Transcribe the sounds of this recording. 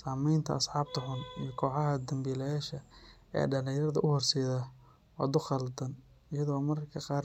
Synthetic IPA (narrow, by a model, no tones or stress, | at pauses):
saːmɛjnt̪ʰɐ̰ːsħɑːb̚t̪ʰɐħʊnḭjɞkʰɔːħɑɦɐd̪ɐmbiːlɛjaːʃɐ | ɛ̰ːɖɐlɪjɐrðɐʔʊhɔrsɛːðɐ | wɑ̰d̪ʊχɐld̪ɐn | ɪjɐðɔːmɐɾkʰɐqɑːr